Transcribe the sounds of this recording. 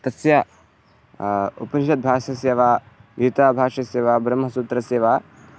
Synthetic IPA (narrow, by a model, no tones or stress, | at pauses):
t̪ɐsja | ṵpɐnʃɐt̪̚bʱaːʃɐseːʋaː | ɡjit̪aːbʱaːʂɐseːʋaːbɾɐmɦɐsuːt̪ɾɐseːʋaː